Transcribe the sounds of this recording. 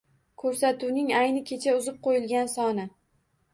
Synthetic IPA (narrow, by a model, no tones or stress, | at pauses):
kʰɵɾsat̪ʊwnɪŋajnɪkʲʰe̞t͡ʃʰaʊzɪp̚qʰojɪlɡʲansɒnɪ